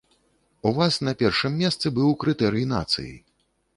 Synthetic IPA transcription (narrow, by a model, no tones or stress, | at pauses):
uvasnɐpʲɛrʂɨmːʲɛst̪sɨbɨwkɾɨt̪ɛɾɨjina̰t̪sɨ̰jḭ